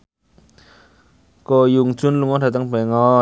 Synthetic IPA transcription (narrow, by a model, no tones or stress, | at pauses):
kojuŋt͡sunluŋɔdat̪̬aŋpaŋɔ